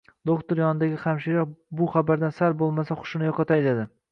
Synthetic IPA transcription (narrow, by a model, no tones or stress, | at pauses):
d̪okt̪ʰʊɾjɒnɪd̪aɡʲɪχamʃɪɾɒbʊχabaɾd̪ansaɾbolˠmasaχʊ̥ʃɪnɪjɒqɑt̪ʰajd̪ed̪ɪ